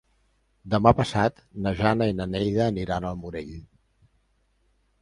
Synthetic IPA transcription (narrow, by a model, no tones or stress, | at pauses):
d̪əmapəsat̪nəʒanəinənejðəːniɾanəlˠmuɾeʎ